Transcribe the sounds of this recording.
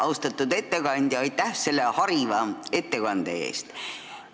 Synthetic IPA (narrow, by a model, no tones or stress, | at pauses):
ɑwst̪ɑt̪ːˑud̪e̞t̪ːe̞kɑnʲd̪̥jɑɑjt̪ˑːæhse̞lːe̞hɑɾivɑe̞t̪ːe̞kɑnd̪̥ḛe̞̰ːst̪